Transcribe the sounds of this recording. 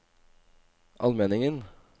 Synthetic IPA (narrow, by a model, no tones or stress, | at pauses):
ʔɑ̰lmeːnɪŋən